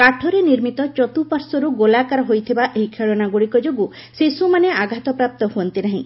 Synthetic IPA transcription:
kaʈʰɔɾeniɾmit̪ɔt͡ʃɔt̪upaɾsɔɾuɡolakaɾɔɦojt̪ʰibaʔeɦikʰeɭɔnaɡuɽikɔd͡ʒoɡu | sesumaneaɡʱat̪ɔpɾap̚t̪ɔhuɔnt̪inaɦĩ

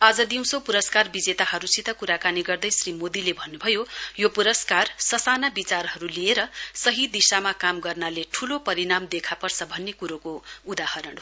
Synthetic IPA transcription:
ad͡zʌd̪iw̃sopuɾʌskarbid͡zet̪ahʌɾusit̪ʌkuɾakaniɡʌrd̪ʌjsrimod̪ilebʱʌnːubʱʌjojopuɾʌskarsʌsanabit͡sarɦʌɾulieɾʌsʌɦid̪isamakamɡʌrnaleʈʰulopʌɾinamd̪ekʰapʌrsʌbʱʌnːekuɾokoud̪ahʌɾʌɽ

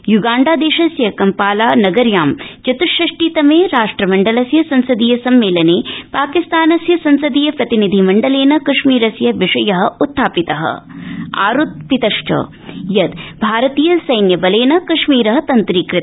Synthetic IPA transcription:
juɡaːɳɖaːd̪eːʃɐsjɐkɐmpaːlaːnɐɡɐɾjaːmt͡ʃɐt̪ʃɐʂʈiːt̪ɐmeːɾaːʂʈɾɐmɐɳɖɐlɐsjɐsɐnsɐd̪iːjɐsɐmːeːlɐneːpaːkist̪aːnɐsjɐsɐnsɐd̪ijɐpɾɐt̪inid̪ʱimɐɳɖɐleːnɐkɐʂmiːɾɐsjɐʋiʂɐjɐɦɐ̆ut̪ʰːaːpit̪ɐɦɐ̰a̰ːɾut̪̚pit̪ɐʂʈɐ̰ | jɐt̪bʱaːɾɐt̪iːjɐsɐjnjɐbɐleːnɐkɐʂmiːɾɐɦɐt̪ɐnt̪ɾikɾɪt̪

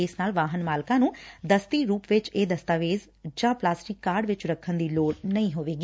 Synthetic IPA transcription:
ɪːsnaːlʋaːɦənmaːlkãːnũːd̪əst̪iːɾuːpʋɪt͡ʃeːd̪əst̪aːʋeːz | d͡ʒãːplaːsʈɪkːaːɾɖʋɪt͡ʃɾəkʰːənd̪iːloːɽnəĩːɦoːʋeːɡiː

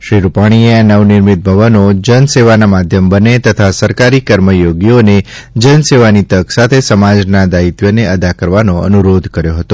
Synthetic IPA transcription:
ʃɾiɾupaɽ̃ieanəʋnɪɾmit̪̚bʱəʋənod͡ʒənseʋanamad̪ʱjəmbənet̪ət̪ʰasəɾkaɾikəɾməjoɡjoned͡ʒənseʋanit̪əksat̪ʰesəmad͡ʒnad̪ait̪jəneəd̪akəɾʋanoə̰nuɾod̪ʱkəɾjoɦət̪o

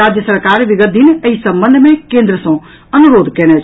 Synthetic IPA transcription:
aːd͡ʒjəsəɾkaːɾʋɪɡət̪̚d̪inɐisɐ̃mbə̃nd̪ʱmẽkẽːnd̪ɾəsõ | ɐnuɾoːd̪kɛːñɛ

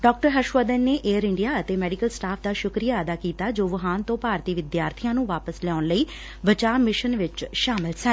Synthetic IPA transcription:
ɖɔːk̚ʈəɾɦəʃʋəd̪ənːeːʔeːəɾɪɳɖijaːət̪eːmɛːɖɪkəlsʈaːpʰd̪aːʃʊkɾijaːəd̪aːkiːt̪aːd͡ʒoːʋəɦaːnt̪õːpaːɾt̪iːʋɪd̪jaːɾt̪ʰijãːnũːʋaːpəslɛɔːnləiː | ʋət͡ʃaːmɪʃənʋɪt͡ʃʃaːmɪlsə

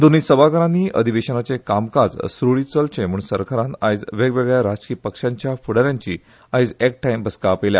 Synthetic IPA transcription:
d̪onisəbakəɾãniːə̰d̪ʱiʋeɕənat͡sekamkad͡zsɾoɭit͡səlt͡ɕẽm̤uːɳsəɾkʰəɾãnajd͡zʋeɡʋeɡɭjaɾad͡ʑkipəkʂãɲt͡ɕjafuɽəɾjaɲt͡ɕḭː | ajd͡zek̚ʈajmbʱəskapelja̰

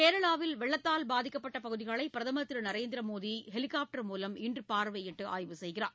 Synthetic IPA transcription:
keːɾɐɭaːʋɪlʋɛɭːɐt̪ːaːlbaːðɪkːɐpːɐʈːɐpɐɣɯðɪɣɐɭɐɪpːɪɾɐðɐmɐt̪ːɪɾɯnɐɾeːnd̪ɪɾɐmoːðiɦɛlɪkaːp̚ʈɐɾmuːlɐmɪndrɯpaːɾʋɐjɪʈːɯʔa̰ːjʋɯsɛjɣɪraːɾ

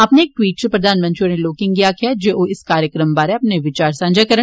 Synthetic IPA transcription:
ɐpneeːk̚ʈwiːʈ̚t͡ʃepɾɐd̪ʱaːnmɐ̃nt̪ɾioːɾneloːkɪ̃ŋɡɡijakijad͡ʒeʔoɪskaːɾjəkɾəmbaːɾeɐpneʋɪt͡ʃaːɾsãːnd͡ʒakɐɾə

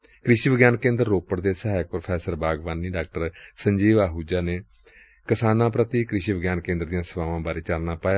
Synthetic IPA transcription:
kɾɪʃiːbəɡjaːnkẽːnd̪əɾːoːpəɽd̪eːsaːjɪk̚pɾopʰɛːsəɾbaːɡʋaːnːiːɖaːk̚ʈəɾsəɲd͡ʒiːʋaːɦuːd͡ʒaːneː | kɪsaːnãːpɾət̪iːkɾɪʃiːbəɡjaːnkẽːnd̪əɾd̪ɪjãːsəʋaːʋãːbaːɾeːt͡ʃəlnaːpaːjaː

